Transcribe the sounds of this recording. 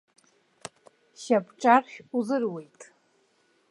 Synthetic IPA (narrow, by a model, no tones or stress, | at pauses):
ʃapʰʼʈ͡ʂʼarχʲuzɨrwe̞jtʼ